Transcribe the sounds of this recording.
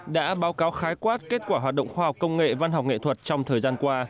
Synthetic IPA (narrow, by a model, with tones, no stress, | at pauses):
ɗa̰ː˧˥ɓaː˨˦wkaː˨˦wxaː˨˦jkwaː˦˥t̚ke˦˥t̚kwaː˧˩ɦwaː˨˩t̚ɗə̰˧˨ŋ͡mxwaː˧hk͡p̚kə˧wŋ͡mŋḛ˧˨va˧nɦa˨˩k͡p̚ŋḛ˧˨t̪ʰə˨˩t̚t͡ɕɔ˧wŋ͡mt̪ʰəː˨˩jzaː˧nkwaː˧